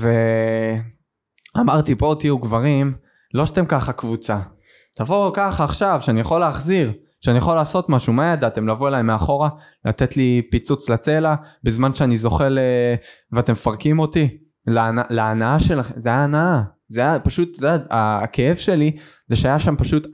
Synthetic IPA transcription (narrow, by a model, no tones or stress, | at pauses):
ve̞ | amaʁt̪ipo̞t̪iuɡvaʁim | lo̞ʃat̪emkaχakvut͡sa | tavokaχaːχʃavʃeanijaχoleːχziʁ | ʃeanijaχolaːso̞t̪maʃumajad̪at̪e̞mlavoelajmeaχo̞ʁa | lat̪et̪lipit͡sut͡slat͡se̞labezmanʃeanizo̞χe̞leveat̪emefaʁkimo̞t̪i | lenaleːnaaʃe̞laχemzeaːnaa | zeajapaʃut̪odata̰ke̞evʃe̞li | zeʃeajaʃampaʃut̪